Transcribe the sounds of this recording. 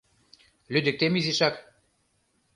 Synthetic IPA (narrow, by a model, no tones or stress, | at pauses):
lyd̪ɘ̆k̚t̪emiziʃak